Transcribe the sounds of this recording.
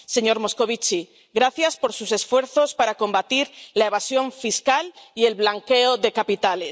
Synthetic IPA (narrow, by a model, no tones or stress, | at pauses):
se̞ɲo̞ɾmo̞sko̞β̞it͡ʃi | ɣɾaθjaspo̞ɾsuse̞sfwe̞ɾθo̞spaɾako̞mbat̪iɾlae̞β̞asjo̞ɱfiskalie̞lβlaŋke̞oðe̞kapit̪ales